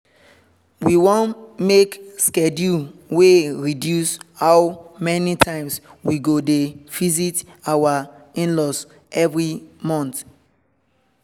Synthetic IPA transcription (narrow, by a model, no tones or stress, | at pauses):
wiwõnmekskedjuweɹidjushaʊmɛnitʰãɪ̃mswiɡodevizitawa | ĩnlɔs | ɛvɹimɔ̃nt